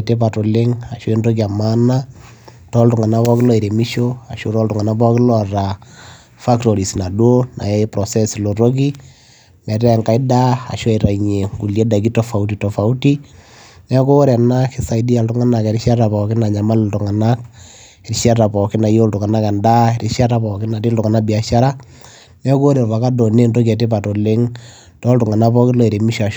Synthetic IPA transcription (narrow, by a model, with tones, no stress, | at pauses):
te˦p̬a˨to˨lɪ˦ŋa˨ʃo˦e˦ndo˦k̬ia˨ma˦na˦ | tɔ˦ltʊ˨ŋa˨na˦pɔ˦kɪ˦lɔ˦i˨ɾe˨mi˦ʃo˦a˨ʃo˦ɾɔ˦ltʊ˨ŋa˨na˦pɔ˦kɪ˦lɔ˦˨ra˨ | fa˦ktɔ˨ɾi˨sna˨do˦na̰˨e˦pɾɔ˨sɛ˦slo˨ɾo˦k̬i˦ | mɛ˨tɛ˦˨ŋka˦ɪ˦da˦a̰˨ʃo˦e˨ɾa˨iɲe˨ŋɡu˨lje˦da˨ɡi˦tɔ˦fa˨u˦ti˨tɔ˨fa˨u˦ti˦ | nɛ˦ko˦ɾɛ˨na˦kɪ˦sa˨idi˦a˨ltʊ˦ŋa˦na˨kɛ˨ɾi˦ʃa˦ɾa˨pɔ˨kɪ˦na˨ɲa˨ma˦lltʊ˨ŋa˨na˦k | ɛ˨ɾʃa˦ɾa˨pɔ˨kɪ˦na˨jo˦ltʊ˨ka˨na˦ka˨nda˦ɾi˦ʃa˦ɾa˨˦pɔ˨kɪ˦na˨ti˦ltʊ˨ŋa˨na˦bi˨a˨ʃa˦ɾa˦ | nɛ˦ko˦ɾe˨lpa˨ka˦dɔ˨ne˦nro˦kɛ˨te˦pa˨tɔ˨le˦ŋ | tɔ˦ltʊ˨ŋa˨na˦pɔ˦kɪ˦lo˦˨e˨ɾe˨mi˦ʃa˨ʃ